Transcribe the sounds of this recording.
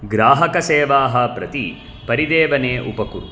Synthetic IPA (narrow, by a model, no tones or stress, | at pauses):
ɡɾaːɦɐkɐseːʋaːɦɐpɾɐt̪i | pɐɾid̪eːʋɐneːʔṵpɐkuɾu